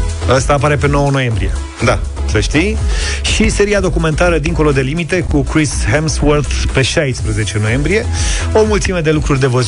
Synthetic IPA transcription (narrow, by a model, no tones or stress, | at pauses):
ast̪aːpaɾe̞pe̞no̞wəno̞je̞mbɾije̞̰ | d̪asəʃt̪ijʃise̞ɾiad̪o̞kume̞nt̪aɾəd̪iŋko̞lo̞d̪e̞limit̪e̞kukɾisɦemswərt̪pe̞ʃajspɾəze̞t͡ʃe̞no̞je̞mbɾije̞o̞mult̪sime̞d̪e̞lukɾurʲd̪e̞vəz